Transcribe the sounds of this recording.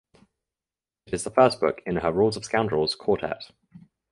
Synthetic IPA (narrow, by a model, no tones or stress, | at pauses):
ɪtɪzðəfɜˑsb̥ʊ̰kɪ̃nəɹɔːlˠzəv̥skãʊ̃ndɹəlˠz̥kʰɔˑtʰɛ̰t